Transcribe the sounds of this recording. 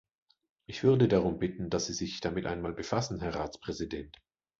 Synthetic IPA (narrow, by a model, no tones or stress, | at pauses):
ʔɪçv̥ʏɐdədaʁ̞ʊmbɪtn̩dasz̥iːzɪçd̥amɪtʔaɪnmaːlbəfasn̩ɦɛɐʁaːt͡spʁ̥ɛzidɛnt